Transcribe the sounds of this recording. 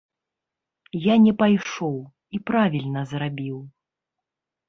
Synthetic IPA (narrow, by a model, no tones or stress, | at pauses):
janʲɛpajʂɔw | ipɾavʲilʲnɐzrabʲiw